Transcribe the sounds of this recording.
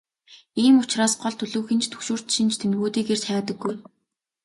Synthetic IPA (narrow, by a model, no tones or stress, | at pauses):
iːmʊt͡ɕraːsɢɔɮt̪ʰɵɮɵ̆ːwxĭnt͡ɕt̪ʰɵ̥xʃuːr̥t̪ʃĭnt͡ɕt̪ʰemɣuːt̪iːkeːr̥t͡ɕχæːt̪ə̆ɡːuj